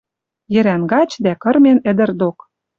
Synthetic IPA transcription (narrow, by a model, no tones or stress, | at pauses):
jɘ̆ɾænɡɑt͡ɕd̪ækɤ̆rmenɘ̆d̪ɘ̆rd̪ok